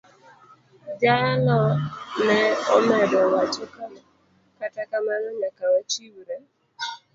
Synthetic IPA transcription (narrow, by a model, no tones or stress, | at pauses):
d͡ʒanɔnɛomɛdɔwat͡ʃʊkama | katakamanɔɲakawat͡ʃiwuɾe